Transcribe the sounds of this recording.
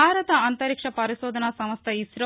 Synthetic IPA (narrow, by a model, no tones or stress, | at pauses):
aːɾɐt̪ɐɐnt̪ɐɾikʂɐpɐɾiʃoːd̪ʱɐnɐsɐmɐst̪ʰɐisɾɐ